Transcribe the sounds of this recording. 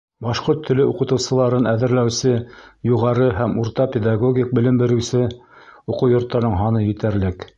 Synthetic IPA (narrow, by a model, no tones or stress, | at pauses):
bɑʃqoɾt̪ʰːɵ̆lɘuqɤ̆t̪ɤ̆wsɤ̆lˠɑɾɤnæðɘ̆ɾlæwsɘjuʁɑɾɤɦæmuɾt̪ɑpʲed̪ɑɡoɡʲik̚bɘ̆lɘ̆mbɘ̆ɾɘ̆wsɘ | uqɤwjŏɾt̪ːɑɾnɤɴɦɑnɤjɘ̆t̪æɾlɘk